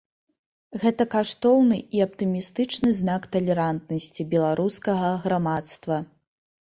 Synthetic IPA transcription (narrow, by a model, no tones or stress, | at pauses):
ɣɛt̪ɐkaʂt̪ɔwnɨʔiɐp̚t̪ɨmʲist̪ɨt͡ʂnɨznakt̪ɐlʲɛɾant̪̚nɐsʲt͡sʲibʲɛlˠaɾʔuskɐɣɐɣɾamat̪st̪vɐ